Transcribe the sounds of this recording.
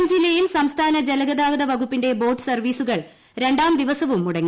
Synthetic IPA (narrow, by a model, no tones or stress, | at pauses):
md͡ʑilːɐjilsɐmst̪ʰaːnɐd͡ʑelɐɣɐðaːɡɐðɐʋɐɡupːinde̞bo̞ːʈːɨ̥sɐrʋiːsuɣɐɭ | ɾe̞ɳɖaːmd̪iʋɐsɐʋumuɽɐŋːi